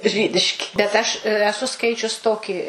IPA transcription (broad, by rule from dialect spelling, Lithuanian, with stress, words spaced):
ˈʒʲiːdʲɪʃʲkʲɪ bʲɛt ˈɐʃ ɛˈsʊ ˈskɐɪt͡ʃʲʊs ˈtoːkʲɪ